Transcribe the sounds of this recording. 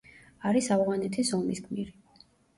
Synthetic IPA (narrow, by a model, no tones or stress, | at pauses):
aɾisavʁanɛt̪ʰisɔmiskʰʼmiɾi